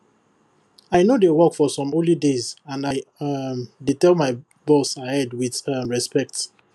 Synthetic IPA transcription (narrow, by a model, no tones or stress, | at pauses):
aɪnodewɔkfɔsɔ̃mõlidezãnaɪmditɛlˠmaɪ | bɔsahɛdwiðʌɹɛspɛk̚t